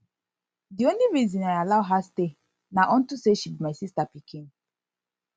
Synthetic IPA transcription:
diõnliɹizĩnaɪalaʊɦaste | naʔɔ̃n̩tuseʃibimaɪsistapikʰĩn

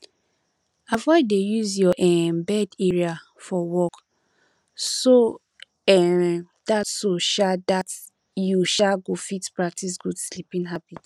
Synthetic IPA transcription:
avɔɪdejuzjɔʔɛmbɛdɛɹia | fɔwɔk | so | ɛ | d̥atsoʃadat | juʃaɡofitpɹak̚tisɡudslipĩŋɦabit

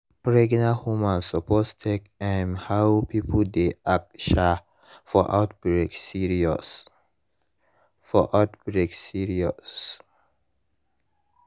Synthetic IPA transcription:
pɹeɡnahumãnsɔpʰɔstʰekɛ̃nhawpʰipʰədeak̚ʃa | fɔʔat̪̚bɹeksiɹiɔ̰s | fɔʔawtbɹeksiɹiɔss

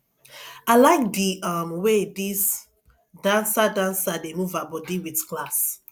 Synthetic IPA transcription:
alaɪk̚diamwedis | dãnsadãnsademuvabɔdiwitklas

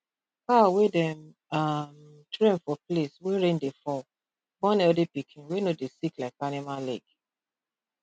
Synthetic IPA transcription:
kawedɛ̃m | am | tʰɹẽnfɔplesweɹẽndefɔ | bɔ̃nɛldepikʰĩnwenodesiklaɪkanimalɛɡ

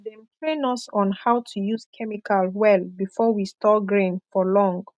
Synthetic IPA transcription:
dɛ̃mtɹẽnɔsɔ̃nhawtʰujuskʰɛmikʰalwɛlbifɔwistɔɡɹẽnfɔlɔ̃ŋɡ

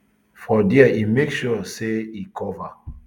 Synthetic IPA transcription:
fɔdiaʔimekʃɔseikʰɔva

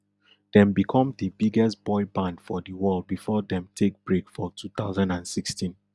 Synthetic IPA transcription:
d̥ɛ̃mbikʰɔ̃mdəbiɡɛstb̥ɔɪbãndfɔdəwɜlˠd̚bifɔdɛ̃mtʰek̚b̥ɹekfɔtʰuθaʊzãndãndsikstĩn

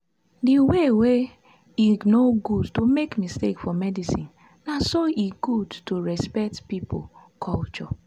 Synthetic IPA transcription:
diwewe | inoɡudtomekmistḛkfɔmɛdisĩn | nasoiɡudtoɹɛspɛk̚tpipʰo̰ | kʰɔlt͡ʃɔ̰

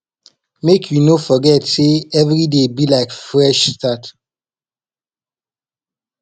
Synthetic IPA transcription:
mekʰjunofɔɡɛtseɛvɾidebilaɪkfɹɛʃstat

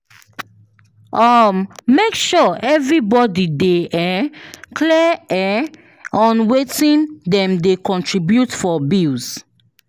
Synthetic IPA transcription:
ɔmːekʃɔɛvɹibɔdideʔɛklɛɛ | ɔ̃nwetĩndɛ̃mdekɔ̃ntɹibjutfɔbils

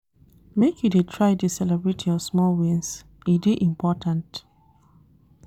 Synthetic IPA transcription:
mekjidetʰɹaɪdisɛlɛbɹetʰjɔsmɔlwĩns | ideʔĩmpʰɔtʰãnt

